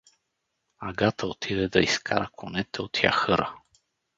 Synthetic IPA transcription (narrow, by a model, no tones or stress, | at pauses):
aɡat̪əot̪ʰid̪ɛd̪ɐiskʰaɾəkʰonɛt̪ɛot̪ʰja̰xɤɾə̰